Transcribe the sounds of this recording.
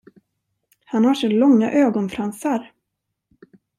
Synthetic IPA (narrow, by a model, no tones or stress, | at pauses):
hanhaʂolɔŋːa̰ʔøːɡɔnfɾansaɾ